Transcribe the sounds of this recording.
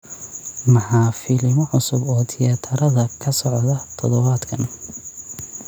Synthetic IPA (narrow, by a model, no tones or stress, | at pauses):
mɑħɑːfɪlɪmɔʕʊsʊbɔːd̪ʰɪjɐt̪ʰɐɾɐðɐkʰɐsɔʕðɐt̪ʰɔðɔβaːd̪kʰɐn